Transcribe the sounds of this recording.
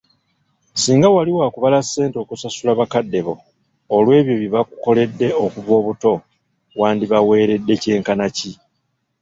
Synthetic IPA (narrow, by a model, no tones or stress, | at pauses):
siːŋɡawaliwaːkuβalase̞ːnto̞ːkusasulaβakadːe̞βo̞ː | lwe̞ːβjo̞βiβakuko̞le̞dːe̞okuβo̞ːβuto̞ | waːndiβawe̞ːɾe̞dːe̞ce̞ːŋkanaci